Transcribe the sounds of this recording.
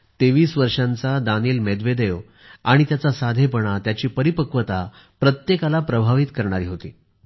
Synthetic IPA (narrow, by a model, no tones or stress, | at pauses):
t̪eʋiːsʋəɾʂãnt͡sad̪aniːlmed̪ʋed̪eʋ | aɽ̃it̪jat͡sasad̪ʱepəɳ̃at̪jat͡ɕiːpəɾipəkʋət̪a | pɾət̪jekalapɾəbʱaʋit̪kəɾɳaɾiːɦot̪ḭː